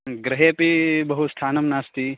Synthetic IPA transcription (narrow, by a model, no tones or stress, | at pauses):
ɡɾɐɦepibɐɦust̪ʰaːnɐmnaːst̪i